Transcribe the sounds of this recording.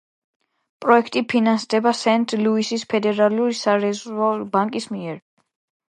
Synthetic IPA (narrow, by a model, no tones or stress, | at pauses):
pʼɾɔɛkʰt̪ʼipʰinansd̪ɛbasɛnt̪ʼluisispʰɛd̪ɛɾaluɾisaɾɛzɔbaŋkʼismiɛɾ